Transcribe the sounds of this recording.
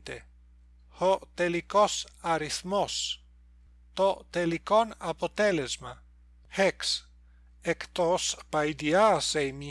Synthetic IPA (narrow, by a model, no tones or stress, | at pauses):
t̪ḛ | hot̪elikosaɾiθmos | t̪ot̪elikonapot̪elezma̰ | heks | ekt̪ospajd̪iasejmi